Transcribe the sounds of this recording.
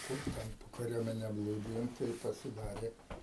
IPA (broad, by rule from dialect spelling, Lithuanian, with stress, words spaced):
ˈkʊr tʲɛn poː kɐˈrʲuɔmʲɛnʲɛ ˈblˠuːdʲɪjoːm tɐɪ pɐsʲɪˈdɑːrʲeː